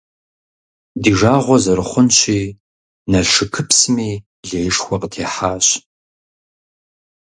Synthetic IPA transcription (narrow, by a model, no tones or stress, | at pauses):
diːʐaːʁʷɔzɐɾɨχʷʊnɕiː | nɐʂɨkʰɨpsɨmiː | ɮeːjɪʂxʷɔqʼətʰeːħaːɕ